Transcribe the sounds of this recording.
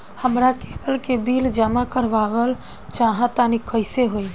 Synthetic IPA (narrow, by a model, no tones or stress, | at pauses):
həmɾakepəlkebiːld͡ʒəmakəɾʋaʋəl | t͡ʃaːɦãt̪anikəɪseɦoi